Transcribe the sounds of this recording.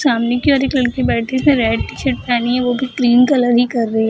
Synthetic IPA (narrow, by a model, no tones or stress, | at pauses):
saːmnekiɔːɾeklɐɭkibɛːʈismẽɾɛːɖʈɪʃeʈ̚paːniɦɛʋobʱɪɾʈɾiːnkɐləɾɦikɐɾːɐiɦɛ